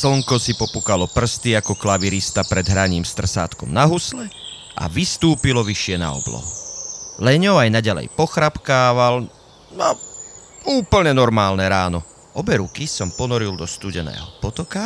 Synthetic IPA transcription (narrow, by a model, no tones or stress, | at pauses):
sl̩ŋkɔsipɔpukalɔpr̩st̪iakɔklaʋiɾist̪apɾɛd̪ɦɾaɲiːmst̪r̩sa̰ːt̪kɔ̰mnaɦuslɛ | ʔa̰ʋist̪uːpilɔʋiʃɪɛna̰ɔ̰blɔ̰ɦulɛɲɔʊajnaɟalɛ̰jpɔxɾapkaːʋal | na | uːpl̩ɲɛnɔɾmaːlnɛɾaːnɔ | ɔbɛɾukisɔmpɔnɔɾild̪ɔst̪uːɟɛnɛ̰ːɦɔpɔt̪ɔka